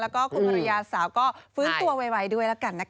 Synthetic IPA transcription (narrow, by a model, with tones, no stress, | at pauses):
lɛ˦˥wkɔː˥˩kʰu˧npa˧ɾjaː˧saː˩˦wkɔː˥˩fɯː˦˥nt̪u˧ɐwe˧wa˧jdu˥˩əjlaː˦˥ka˧nːa˦˥